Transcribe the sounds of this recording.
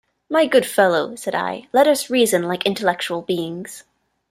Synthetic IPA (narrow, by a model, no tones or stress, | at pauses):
maɪɡʊd̥fɛlˠoʊsɛɾa̰ɪlɛɾʌsɹizɨ̃nlaɪkɪ̃ntəlɛk̚t͡ʃul̩ˠbiɪ̃ŋz̥